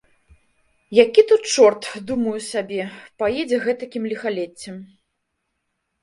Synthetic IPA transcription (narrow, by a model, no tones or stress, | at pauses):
jakʲit̪ut̪t͡ʂɔrt̪d̪umɐjusʲabʲɛpajɛd͡zʲɛɣɛt̪ɐkʲimlʲixalʲɛt͡sʲːɛm